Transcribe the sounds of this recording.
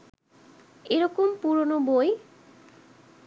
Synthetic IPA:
eɾɔkompuɾonoboj

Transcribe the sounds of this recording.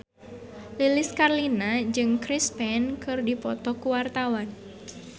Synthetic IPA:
lilɪskarlinad͡ʒɨŋkɾispɛnkɨrdipɔt̪ɔkuwart̪awan

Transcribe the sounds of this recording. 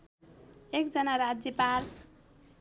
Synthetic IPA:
ekd͡zʌnaɾad͡zjʌpal

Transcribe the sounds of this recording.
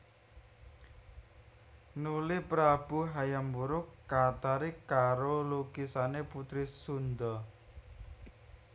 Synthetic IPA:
nulɪpɾab̥uɦajambuɾʊkːat̪aɾikaɾolukisaneput̪ɾisund̪ɔ

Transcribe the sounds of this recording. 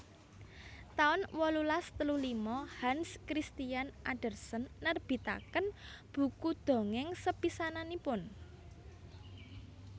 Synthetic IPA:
t̪aʊnwɔlulast̪əlulimɔhanskɾist̪ijanʔaɖ̥ə̤rsənːərb̥i̤t̪a̰kənb̥ṳkud̪̥o̤ŋɪŋsəpisananipʊn

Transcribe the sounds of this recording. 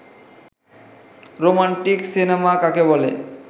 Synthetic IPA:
ɾomaɳʈiksinemakakebɔle

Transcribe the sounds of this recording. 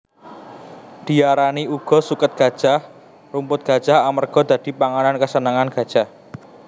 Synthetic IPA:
d̪̥i̤aɾaniuɡ̥ɔ̤sukət̪̚ɡ̥a̤d̥ʒ̥ah | rumpʊt̪̚ɡ̥a̤d̥ʒ̥a̤hamərɡ̥ɔ̤d̪̥ä̤d̪̥i̤paŋanankəsənaŋanɡ̥a̤d̥ʒ̥ah

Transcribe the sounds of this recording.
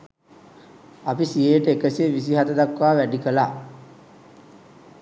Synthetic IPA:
apisieʈəekəsieʋisiɦad̪əd̪akʋaːʋæɖikəlaː

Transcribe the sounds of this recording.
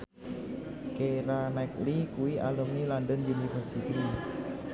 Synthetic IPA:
keɾanajklikuialəmnilandənjunifərsit̪i

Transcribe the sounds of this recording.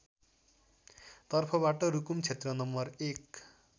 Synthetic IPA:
t̪ʌrpʰʌbaʈʌɾukumt͡sʰet̪rʌnʌmːʌrek

